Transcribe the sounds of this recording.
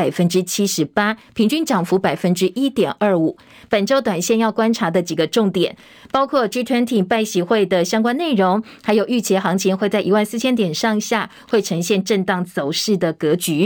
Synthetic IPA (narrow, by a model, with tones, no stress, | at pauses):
a˨˩ɪfə˥nʈ͡ʂɻ̩˥t͡ɕʰi˥ʂɻ̩˧˥pa˥pʰi˧˥ŋt͡ɕy˥˧nʈ͡ʂɑ˨˩ŋfu˧˥pa˨˩ɪfə˥nʈ͡ʂɻ̩˥ʔi˥t̪jɛ˨˩nʔə˞˥˩u˨˩˦ | pə˨˩nʈ͡ʂo˥ʊt̪wa˨˩nɕjɛ˥˧njɑ˥˩ʊkwa˥nʈ͡ʂʰa˧˥d̪ə˨t͡ɕi˨˩ɡə˦ʈ͡ʂʊ˥˩ŋt̪jɛ̰˨˩˦n | pɑ˥ʊkʰwɔ˥˩t͡ɕy˥t̪ʰə˧˥nt̪ʰi˨˩ŋpa˥˩ɪɕi˧˥xwe˥˩ɪd̪ə˩ɕjɑ˥ŋkwa˥nne˥˩ɪɻʊ˧˥ŋ | xa˧˥ɪjo˨˩y˥˩t͡ɕʰjɛ˧˥xɑ˧˥ŋt͡ɕʰi˧˥ŋxwe˥˧ɪt͡sa˥˩i˧˥wa˥˧nsɨ˥˩t͡ɕʰjɛ˥nt̪jɛ˨˩nʂɑ˥˧ŋɕja˥˩ | xwe˥˩ɪʈ͡ʂʰɤ˧˥ŋɕjɛ˥˧nʈ͡ʂə˥˧nt̪ɑ˥˩ŋt͡so˨˩ʊʂɻ̩˥˩d̪ə˩kɤ˧˥t͡ɕy˧˥